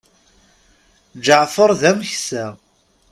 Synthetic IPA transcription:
d͡ʒəʕfəɾˤðæmçsæ

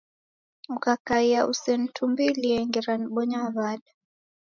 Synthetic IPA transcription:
ukakaiaʔusɛn̩tʰumbiliɛŋɡɛɾaniɓɔɲaβaɗa

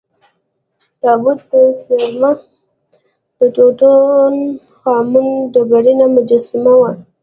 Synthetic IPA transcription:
d̪̥ɑbʊd̪̚ːəsaɾma | d̪̥əʈoʈon | xɑmund̪əbaɾinamʊd͡ʒasɪmawa

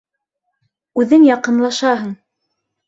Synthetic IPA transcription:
ʉðɘŋjɑqɤ̆nlˠɑʃɑɦɤɴ

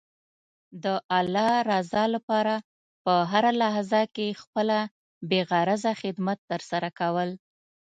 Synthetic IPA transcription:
d̪əʔalːɑɾɑzɑlapɑɾa | pəɦaɾalaɦzakexpəla | beɣaɾazaxɪd̪mat̪ːəɾsaɾakawəl

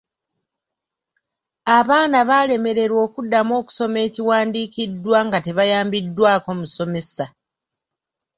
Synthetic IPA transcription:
aβaːnaβale̞me̞ɾe̞ɾwo̞ːkudːamo̞ːku̥so̞me̞ːciwaːndiːcidːwaŋɡate̞βajaːmbidːwaːko̞muso̞me̞sa

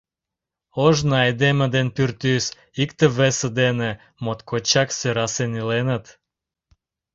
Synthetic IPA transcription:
oʒnɑed̪emə̆d̪enpyrt̪ys | ikt̪eβesə̆d̪ene | mot̪kʰot͡ɕɑksøɾɑsenilenət̪

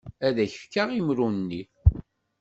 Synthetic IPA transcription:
æðæçəfkaʁimɾunnːi

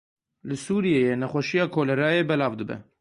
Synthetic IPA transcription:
lɨsuːɾijejenɛxʷɛʃijɑːkʰoːlɛɾɑːjeːbɛlɑːvd̪ɨbɛ̰

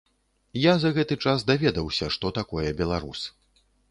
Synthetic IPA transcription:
jazɐɣɛt̪ɨt͡ʂasd̪avʲɛd̪ɐwsʲɐʂt̪ɔt̪akɔjɛbʲɛlˠaɾus

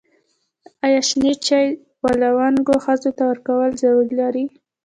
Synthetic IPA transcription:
ajɑʃnet͡ʃaj | walawaŋɡoxəzot̪awəɾkawəlzawuɾlaɾi

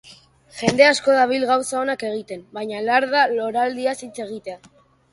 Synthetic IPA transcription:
ʝe̞nd̪e̞asko̞ðaβ̞ilɣawsao̞nake̞ɣ̞it̪e̞mbajɲalaɾðalo̞ɾald̪iasit͡se̞ɣ̞it̪e̞a

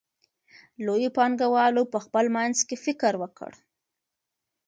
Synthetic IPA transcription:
lojopɑŋɡawɑlopəxpəlmanzkefɪkɾwəkə̰ɽ

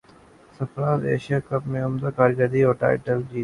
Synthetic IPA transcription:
sɐfɾaːzḛːʃijaːkɐpmẽʊmd̪akaːɾd͡ʒad̪iːɔːʈa̰ːɪʈəld͡ʒiː

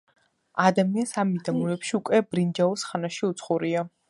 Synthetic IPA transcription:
ad̪amiansamid̪amulɛpʃiukʼwɛb̥ɾind͡ʒaɔsχanaʃiut̪sʰχuɾia

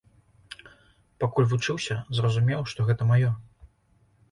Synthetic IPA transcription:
pakulʲvut͡ʂɨwsʲɐzrɐzumʲɛwʂt̪ɔɣɛt̪ɐmajɔ

